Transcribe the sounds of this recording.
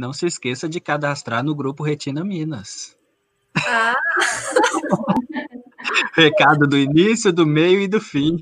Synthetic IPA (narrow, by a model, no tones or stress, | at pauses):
nɐ̃w̃sɪːskesɐd͡ʒɪkad̪ast̪ɾaɾnʊɡɾupʊɦet͡ʃĩnɐmĩnɐs | a | hekad̪ʊd̪ʊinisjʊd̪ʊmejʊɪd̪ʊfĩ